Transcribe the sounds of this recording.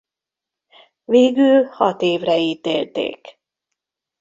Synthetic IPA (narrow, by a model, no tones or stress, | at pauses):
veːɡyːlhɒt̪eːvrɛiːt̪ḛːlt̪ḛːk